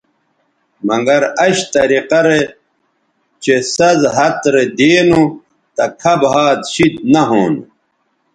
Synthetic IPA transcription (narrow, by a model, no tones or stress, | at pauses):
mɐŋɡɐɾɐɕt̪ɐɾiqɐɾe | t͡ɕesɐzɦɐt̪ɾed̪eːnu | t̪ɐkʰɐbɦaːt̪ɕid̪̚nɐɦoːnṵ